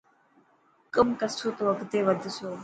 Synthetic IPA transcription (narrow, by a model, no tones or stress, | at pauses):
kəmkəsʰuːt̪oːəkt̪eːʋəd̪ʱʃoː